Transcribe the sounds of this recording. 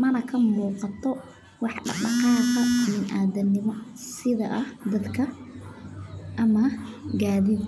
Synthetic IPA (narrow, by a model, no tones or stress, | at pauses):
mɐnɐkʰɐmuːqɑt̪ʰɔ | wɑħɖɑ̰qɗɑ̰qɑːqɐɪmɪnʔaːd̪ɐnɪmɔsɪðɐʔɐhd̪ɐd̪kʰɐ | ʔɐmɐɡaːðɪd̪